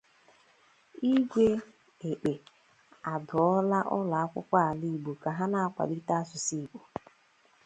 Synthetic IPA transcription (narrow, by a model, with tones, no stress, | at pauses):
i˦ɡʷe˦ | e˨k͡pe˨ | a˨dʊ˨ɔ˦la˦ʔɔ̰˦la˨a˦kʷʊ̰˦kʷa˦a˨li˦˨ɡ͡bo˨ka˨ɦa˦na˨a˦kʷa̰˨di˦ta˦a˦sʊ˨si˦˨ɡ͡bo˨